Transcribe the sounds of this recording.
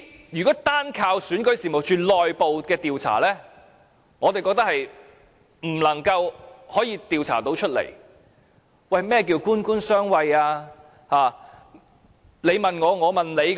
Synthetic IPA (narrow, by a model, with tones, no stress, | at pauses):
jyː˨˩kɔː˨˥t̪aː˥nkʰaː˧wsyː˨˥nkɵ˨˥ɥsiː˨mo˨wt͡ʃyː˨lɔː˨jpo˨wkɛː˧t̪iː˨wt͡sʰa̰ː˨˩lɛː˥ | ŋɔː˨˧t̪e˨jkɔː˧k̚t̪ɐ˥hɐ˨j | m̩˨˩lɐ˨˩ŋkɐ˧whɔː˨˥jiː˧t̪iː˨wt͡sʰa̰ː˨˩t̪o˨˧˥wt͡ʃʰɵ˥t̚lḛ˨˩j | wɐ˨˩jmɛː˥k̬iː˧wkuː˥nkuː˥nsœː˥ŋwɐ˧jaː˧ | haː˨˩ | le˨˧jmɐ˨nŋɔː˨˧ŋɔː˨˧mɐ˨nle˨˧j